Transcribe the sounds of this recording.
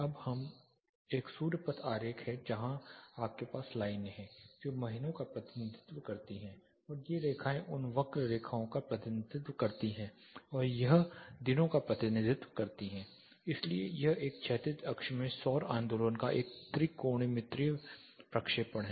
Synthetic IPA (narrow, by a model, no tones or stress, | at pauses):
ɐbhɐm | eːksuːɾpət̪ʰaːɾeːkɦhɛd͡ʒɐɦãaːp̚kepaːslaːɪnɦɛ̃ːd͡ʒoːmɐɦɪnõkapɾɐt̪ɪnɪd̪ɪt̪ʋkɐɾt̪iɦɛ̃ː | ɔːɾjeɾeːkʰaːẽʔʊnʋɐkɾɾeːkʰaːõkapɾɐt̪ɪnɪd̪ɪt̪wkɐɾt̪iɦɛ̃ɔːɾjɐɦd̪ɪnõkapɾɐt̪ɪnɪd̪ɪt̪wəkɐɾt̪iɦɛ̃ː | ɪsliejɐɦeːk̚t͡ʃʰɛːt̪ɪt̪ʰɐkʃmẽsɔːɾãːnd̪olonkaʔeːk̚t̪ɾikoːɽ̃imɪ̃t̪ɾiː | pɾɐkʃeːpəɳɦɛ